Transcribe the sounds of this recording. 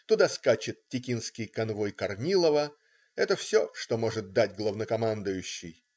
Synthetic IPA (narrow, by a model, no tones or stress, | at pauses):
t̪ʊd̪askat͡ɕɪt̪̚tʲɪkʲinskʲɪjkɐnvo̞jkɐrnʲilˠəvə | ɛt̪əfsʲoʂt̪o̞mo̞ʐɨt̪̚d̪atʲɡlˠəvnəkɐmand̪ʊjʉɕːɪj